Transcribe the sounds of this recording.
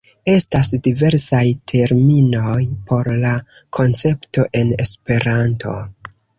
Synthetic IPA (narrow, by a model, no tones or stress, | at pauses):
e̞stasdive̞ɾsajtʰe̞ɾmino̞jpʰo̞ɾla | kʰo̞nt͡se̞pto̞ʔe̞ne̞spe̞ɾantʰo̞̰